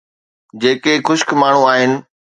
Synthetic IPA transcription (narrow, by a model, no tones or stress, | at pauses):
d͡ʑeːkexʊʃkmaːɳ̤ũaːɦɪnɪ̆